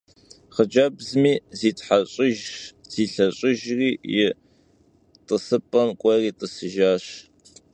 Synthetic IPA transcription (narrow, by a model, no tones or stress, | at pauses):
χəd͡ʒɐbzmiːziːtħaɕʼɪʒz̥iːɬɐɕʼɪʒriːjɪ | tʼəsɨpʼɐnkʷʼɔriːtʼəsɨʒaːɕ